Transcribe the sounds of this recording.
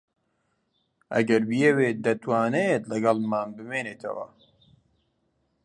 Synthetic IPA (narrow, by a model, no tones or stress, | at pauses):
ʔɐ̰ɡɐɾbijɛweːt̪̚d̪ɐt̪waːnejet̪lɐɡɑlˠmaːnbɨmeːneːt̪ʰɐ̰wɐ̰